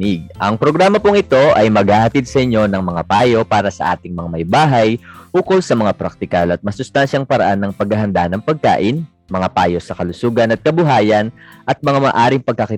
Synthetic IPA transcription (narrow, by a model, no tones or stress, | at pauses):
ɪɡ̚ʔɐŋpɾo̞ɡɾaːmɐpʊŋɪt̪o̞ʔɐjmɐɡaːhɐt̪id̪̚sɐʔɪɲːo̞nɐŋmɐŋapaːjo̞paːɾɐsɐ̰ʔa̰ːt̪ɪŋmɐŋamɐjbaːɦɐjʔuːkolsɐmɐŋapɾak̚t̪ɪkɐlɐt̪̚mɐsʊst̪anʃɐŋpɐɾɐ̰ʔanːɐŋpɐɡ̚ɐɦɐnd̪anɐŋpɐɡ̚ka̰ːʔɪn | mɐŋapaːjo̞sɐkɐlʊsuːɡɐnɐt̪̚kɐbʊɦaːjɐnʔɐt̪̚mɐŋamɐːʔaːɾɪŋpɐɡ̚kɐkɪ